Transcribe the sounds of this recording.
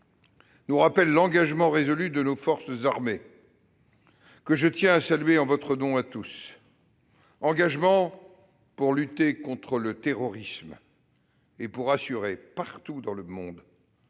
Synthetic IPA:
nuʁapɛlːɑ̃ɡaʒmɑ̃ʁezɔlyd̪ənofɔʁszaʁme | kəʒət̪jɛ̃asalɥeɑ̃vɔt̪χənɔ̃at̪us | ɑ̃ɡaʒmɑ̃ | puʁlyt̪ekɔ̃t̪χələt̪eʁɔʁism | epuʁasyʁepaʁt̪ud̪ɑ̃ləmɔ̃d̪

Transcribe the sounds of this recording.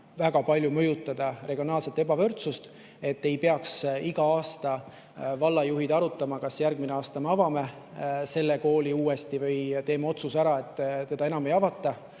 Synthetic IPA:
væɡ̥ɑpɑlʲjumɤjut̪ːˑɑd̪̥ɑre̞ɡ̥io̞nɑːlse̞t̪ːˑe̞bɑvɤrt̪sust̪ | e̞t̪ːe̞jpe̞ɑksiɡ̥ɑɑːst̪ɑ | vɑlːɑjuɦid̪̥ɑɾut̪ːˑɑmɑkɑsjærɡ̥̚mineɑːst̪ɑme̞ɑvɑme̞ | se̞lːe̞ko̞ːliuːe̞st̪ivɤjt̪e̞ːmɑo̞t̪susæɾɑe̞t̪ːt̪e̞d̪̥ɑe̞nɑme̞jɑvɑt̪ːˑɑ

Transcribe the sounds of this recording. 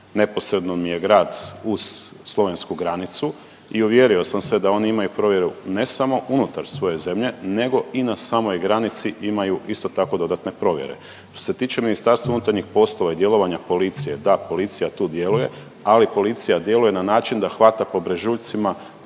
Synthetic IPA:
ne̞po̞sɾe̞d̪nomije̞ɡɾaːd̪uz̥ː | lˠo̞ʋe̞nskuɡɾanit̪su | iuʋje̞ɾio̞samsʋed̪ao̞niimajupɾo̞ʋje̞ɾune̞samo̞ʔunut̪aɾsʋo̞je̞ze̞mʎe̞ne̞ɡo̞inasamo̞jɡɾanit̪siʔimajuʔist̪o̞t̪ako̞d̪o̞d̪at̪ne̞pɾo̞ʋjeɾe̞̰ | ʃt̪ose̞t̪iːt͡ʃe̞minist̪aɾst̪ʋaunut̪aɾɲixpo̞slˠo̞ʋaid̪je̞lˠo̞ʋaɲapo̞lit̪sije̞d̪apo̞lit̪sijat̪uːd̪je̞luje̞ | alipo̞lit̪sijad̪je̞luje̞nanaːt͡ʃind̪axʋat̪apo̞bɾeʒuːʎt̪sima

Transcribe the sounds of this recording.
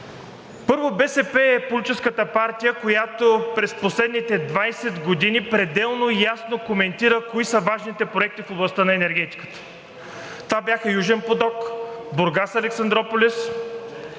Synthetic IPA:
pɤɾvobɛsɛpɛɛpolʲit͡ʃɛskət̪əpaɾt̪ijəkojat̪opɾɛsposlɛd̪nit̪ɛd̪vajsɛd̪ɡod̪inipɾɛd̪ɛlˠnojasnokomɛnt̪iɾəkoisəvaʒnit̪ɛpɾoɛk̚t̪ifoblˠɐst̪ənɐɛnɛɾɡ̟ɛt̪i̥kə̥t̪ə̥ | t̪vabjaxəjuʒɛnpod̪ɔkboɾɡasɐlɛksɐnd̪ɾɔpolʲis

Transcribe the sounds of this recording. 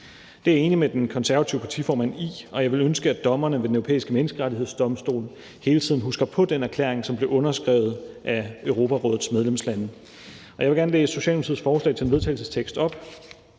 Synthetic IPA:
d̥e̝æɐe̝ːnimed̥enkʰɒ̽nsæɐæt͡sʰiʊpʰɑ̈t͡sʰifɒːmæn̰iɒ̽jɑ̈ɪʋe̝lønsɡ̥əæd̥ɒ̽mɐnəʋe̝d̥enøʊopʰḛːisɡ̥əmenəsɡ̥əʁaɾie̝ð̞̰ˠsd̥ɒ̽msd̥o̝̰ːln̩ | he̝ːlət͡sʰiðˠn̩ɦusɡ̥ɐpʰɒ̽d̥enæɐkʰlḛɐ̰eŋsɒ̽mb̥le̝ʔɔ̽nɐsɡ̥ʁɛʊð̞̩ˠʔæøʊʁo̝ːpʰæʁɔ̽ːð̩ˠsmeðˠlemslæn | ɒjɑɪʋe̝ɡæɐnəleːsəso̝ɕɛ̰lomt͡sʰið̰ˠsfɒːslɛ̰ɪt͡sʰe̝enʋe̝ðˠt͡sʰɛ̰ɪlsəst͡sʰeɡ̥sd̥ɒ̽b̥

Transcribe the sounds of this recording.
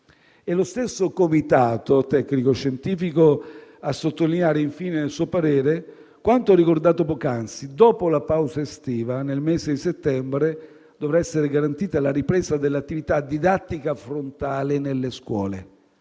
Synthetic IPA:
ɛlost̪esːokomit̪aːt̪ot̪ɛkːnikoʃːent̪iːfikoasːot̪ːolinjaːɾeiɱfiːnenelsuːopaɾɛːɾe | kwant̪oɛrikord̪aːt̪opɔkansid̪ɔːpolapawzaest̪iːvanelmeːzed̪iset̪ːɛmbɾe | d̪ovɾaɛsːeɾeɡaɾant̪iːt̪alaɾipɾɛːsad̪elːat̪ːivit̪ad̪id̪at̪ːikafɾont̪aːlenelːeskwɔ̰ːlḛ

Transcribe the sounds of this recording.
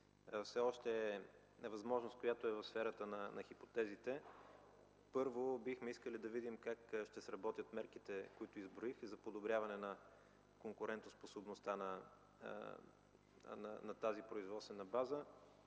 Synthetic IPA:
fsɛɔʃt̪ɛɛ | vɐzmɔʒnost̪̚kojat̪oɛvɐfsfɛɾət̪ənɐnɐxipot̪ɛzit̪ɛ | pɤɾvobixmɛiskəlid̪ɐvid̪imkakʃt̪ɛsɾɐbɔt̪jət̪mɛɾkit̪ɛkoit̪ʊizbɾoixzɐpod̪obɾʲjavɐnɛnɐ | koŋkʊɾɛnt̪osposobnost̪anɐ̰ | nɐnɐt̪azipɾoizvɔt̪st̪vɛnɐbazə

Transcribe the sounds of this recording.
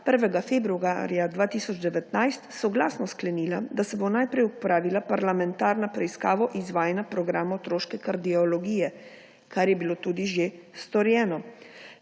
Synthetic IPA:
pəɾʋɛɡafebɾua̰ɾjad̪ʋaːt̪iːsɔd͡ʒd̪ɛʋɛt̪najst̪sɔɡlaːsnɔsklɛniːlad̪asɛbonajpɾɛjupɾaːʋilapaɾlamɛnt̪aːɾnapɾɛiskaːʋɔʔizʋaːjɛnapɾɔɡɾaːmɔt̪ɾoːʃkɛkaɾd̪iɔlɔɡiːjɛ | kaɾjɛbiloːt̪uːd̪iʒest̪ɔɾjɛːnɔ

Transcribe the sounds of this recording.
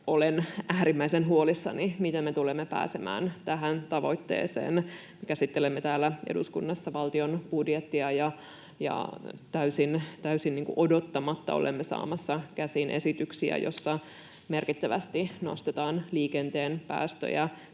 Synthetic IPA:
olenæːɾimːæisenɦuolisːɑ̰nimit̪emmet̪ulemːepæ̰ːsemæ̰ːnt̪æɦænt̪ɑʋo̞̰it̪ːḛːsḛːn | mekæsit̪ːelemːet̪æːlːæḛdṵskunːɑsːɑʋɑlt̪ionb̥udjet̪ːiɑjɑ | jɑ̰t̪æysint̪æysinniːŋkuʔodot̪ːɑmɑt̪ːɑ̰o̞̰lʔḛmːesɑ̰ːmɑsːɑkæsinʔe̞̰sit̪yksiæ̰jo̞̰sːɑ | me̞rkit̪ːæʋæst̪ino̰st̪et̪ɑːnliːkent̪eːnpæ̰ːst̪ø̰jæ

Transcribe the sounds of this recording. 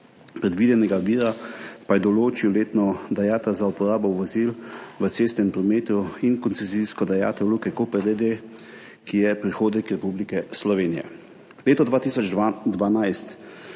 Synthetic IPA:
pɾɛd̪ʋiːd̪ɛnɛɡaʋiːɾapajɛd̪ɔloːt͡ʃiwleːt̪nɔd̪ajaːt̪ɐlzaupɔɾaːbɔwʋɔzilʋətseːst̪nɛmpɾɔmeːt̪uinkɔnsɛziskɔd̪aja̰ːt̪ɔlukɛkoːpɛɾd̪ed̪e | kijɛpɾixoːd̪nikɾɛpublikɛslɔʋeːnijɛ̰ | leːt̪ɔd̪ʋaːt̪isɔd͡ʒd̪ʋanajst̪

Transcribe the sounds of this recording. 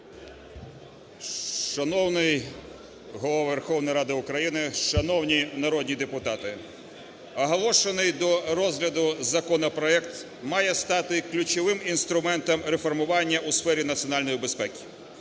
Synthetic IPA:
ʃɐnɔwnɪj | ɦɔlˠɔʋʋerxɔwnɐjɾɑd̪ɪʊkɾɐjinɪʃɐnɔwnʲinɐɾɔd̪ʲnʲid̪epʊt̪ɑt̪ɪ | ɐɦɔlˠɔʃenɪjd̪ɔɾɔzɦlʲɐd̪ʊzɐkɔnɐpɾɔɛkt̪ | mɑjɛst̪ɑt̪ɪklʲʊt͡ʃɔʋɪminst̪ɾʊmɛnt̪ɔmɾefɔrmʊʋɑnʲːɐʔusfɛɾʲinɐt̪sʲiɔnɑlʲnɔjibe̞spɛkʲi̥

